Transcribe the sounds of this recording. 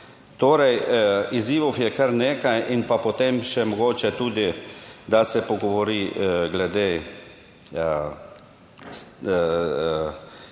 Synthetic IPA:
t̪oːɾɛjiziːʋofjɛkəɾneːkajʔinpapot̪emʃɛmɔɡoːt͡ʃɛt̪uːd̪id̪asɛpɔɡɔʋɔɾiːɡlɛd̪eː

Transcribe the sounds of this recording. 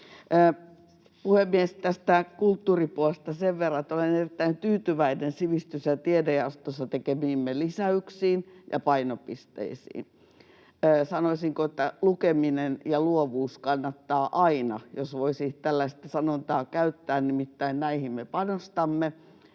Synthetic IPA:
puhemmiest̪æst̪ækult̪ːuːripuolest̪ɑseʋʋerːɑet̪olenerit̪ːæint̪yːt̪yʋæinensiʋist̪ysjɑt̪iedeɑst̪osːɑt̪ekemiːmːelisæyksiːnjɑ̰pɑinopist̪ḛisḭːnː | sɑnoisiŋkoet̪ːælukeminenjɑluoʋuːskɑnːɑt̪ːɑːʔɑinɑjosʋoisiːt̪ælːæist̪æsɑnont̪ɑːkæyt̪ːæːnnimit̪ːæinnæihimmepɑnost̪ɑmːe

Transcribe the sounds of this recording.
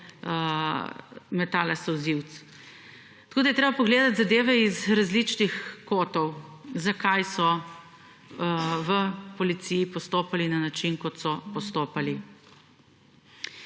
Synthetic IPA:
mɛt̪aːlasɐwziwt̪s | t̪ɐ̥koːd̪ɐjɛt̪ɾeːbapɔɡleːd̪at̪zad̪eːʋɛizɾazlit͡ʃnixkoːt̪ɔwzakajsɔ | ʋəpɔlit̪sijipɔst̪oːpalinanat͡ʃinkɔt̪sɔpɔst̪oːpali

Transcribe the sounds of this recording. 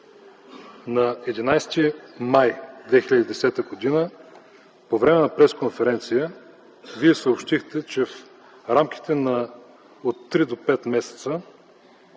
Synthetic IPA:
nɐɛd̪inajst̪imajd̪vɛxilʲəd̪ʲid̪ɛsɛt̪əɡod̪inə | povɾɛmɛnɐpɾɛskonfɛɾɛnt̪sijə | viɛsəopʃt̪ixt̪ɛt͡ʃɛf | ɾamkʲi̥t̪ɛnɐ | ot̪ːɾid̪opɛt̪mɛsɛ̥t̪sə

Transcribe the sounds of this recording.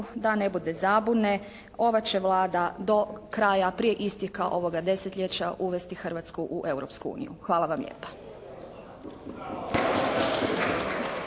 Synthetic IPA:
d̪ane̞bud̪e̞zabune | o̞ʋat͡ɕe̞ʋlaːd̪ad̪o̞kɾaːjapɾije̞ʔist̪jekaʔo̞ʋo̞ɡad̪e̞set̪lʎe̞t͡ɕaʔuʋe̞st̪ixr̩ʋat̪skuʔuʔe̞wɾopskuṵːnḭjṵxʋaːlˠaʋamʎḛːpḁ

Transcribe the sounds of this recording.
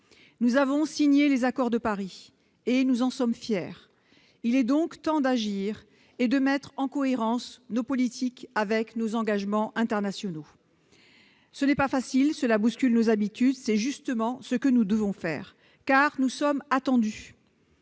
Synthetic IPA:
nuzavɔ̃siɲelezakɔʁd̪əpaʁi | enuzɑ̃sɔmfjɛːʁ | ilɛd̪ɔ̃kt̪ɑ̃d̪aʒiʁ | ed̪əmɛt̪χɑ̃kɔeʁɑ̃snopɔlit̪ʰikavɛknozɑ̃ɡaʒmɑ̃ʔɛ̃t̪ɛʁnasjɔno | sənɛpafasilsəlabuskʲylnozabit̪yd̪sɛʒyst̪əmɑ̃səkənud̪əvɔ̃fɛ̰ːʁ | kaʁnusɔmat̪ɑ̃d̪y

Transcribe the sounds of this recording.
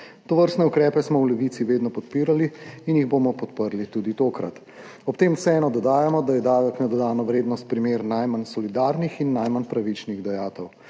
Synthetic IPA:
t̪ɔʋəɾst̪nɛukɾɛːpɛsmɔwlɛʋiːt̪siʋeːd̪nɔpɔt̪̚piːɾaliːnjiɣbomɔpɔt̪pəɾlit̪uːd̪it̪oːkɾa̰t̪ | ɔpt̪emsɛɛːnɔd̪ɔd̪aːjamɔd̪ajɛd̪aːʋɛknɔd̪ɔd̪aːnɔʋɾeːd̪nɔst̪̚pɾimeːɾnajmansɔlid̪aːɾnixinːajmanpɾaʋit͡ʃniɣd̪ajaːt̪ɛw

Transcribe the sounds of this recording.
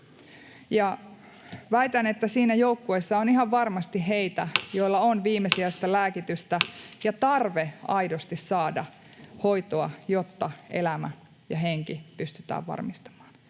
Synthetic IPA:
jɑ | ʋæjt̪ænet̪ːæsiːnæjo̞ukːuesːɑoniɦɑʋʋɑrmɑst̪iɦejt̪æjo̞ilːɑonʋiːmesiæst̪ɑlæːkit̪yst̪æjɑt̪ɑrʋeɑjdost̪issɑːdɑ | ho̞jt̪oɑjot̪ːɑe̞̰læmæ̰ | jɑɦe̞ŋkipyst̪yt̪æ̰ːʋʋɑ̰rmist̪ɑ̥mɑ̥ːn

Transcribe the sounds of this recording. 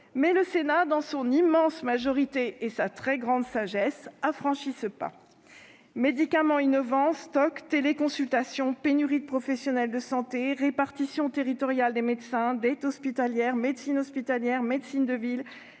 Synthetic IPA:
mɛləsenad̪ɑ̃sɔ̃nimɑ̃smaʒɔʁit̪eːsat̪χɛɡʁɑ̃d̪saʒɛsafχɑ̃ʃisəpa̰ | med̪ikamɑ̃inɔvɑ̃st̪ɔkt̪elekɔ̃sylt̪asjɔ̃penyʁid̪̚pχɔfɛsjɔnɛld̪əsɑ̃t̪eʁepaʁt̪isjɔ̃t̪eʁit̪ɔʁjald̪emed̪sɛ̃d̪ɛt̪ɔspit̪aljɛʁmed̪sinɔspit̪aljɛʁmed̪sind̪əvil

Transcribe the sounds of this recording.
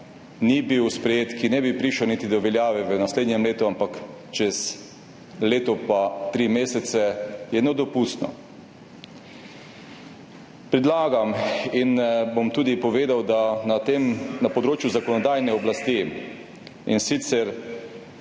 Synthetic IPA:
nibiwspɾɛjeːt̪kinɛbipɾiːʃɔwnit̪id̪ɔʋɛljaːʋɛʋənasleːd̪ɲɛmleːt̪uampak | t͡ʃɛs | leːt̪ɔpat̪ɾimeːsɛt̪sɛjɛnod̪ɔpust̪nɔ̰ | pɾɛd̪laːɡaminbomt̪uːd̪ipɔʋeːd̪awd̪at̪emnapɔd̪ɾoːt͡ʃjuzakɔnɔd̪ajnɛɔblast̪i | insit̪sɛɾ

